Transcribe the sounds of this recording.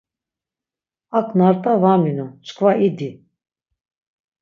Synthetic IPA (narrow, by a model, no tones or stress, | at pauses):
akʰʼnaɾt̪ʼavaminut͡ʃkʰʼvaid̪i